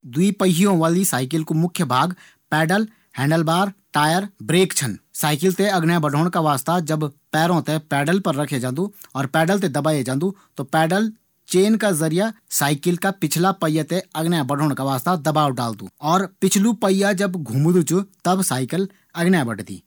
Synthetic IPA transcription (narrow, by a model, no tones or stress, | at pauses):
d̪wipəɦijõʋaːlisaːɪk̬ɪlkomʊkʰːjəbʱaːɡ | pɛːɖəl | hɛ̃ːɳɖəlbaːɾʈaːjəɾbɾeːkt͡ʃʰənsaːɪkɪlt̪eɐɡnjabəɖʱoːɽ̃kaʋaːst̪ad͡ʒɐbpɛːɾõt̪epɛːɖəlpəɾːɐkʰed͡ʒãːnd̪uɔːɾpɛːɖəlt̪̬ed̪ɐbaːed͡ʒãːnd̪ũt̪opɛːɖəl | t͡ʃeːnkazɐɾijasaːɪkɪlkapɪt͡ʃʰlapəɪjat̪eɐɡnjabəɖʱoːɳkaʋaːst̪ad̪ɐbaːwɖaːld̪ṵ̃ːɔːɾpɪt͡ʃʰlupəɪjad͡ʒɐbɡʱũːmd̪ut͡ʃut̪ɐbsaːɪkɪl | ɐɡnjabəɽd̪ḭː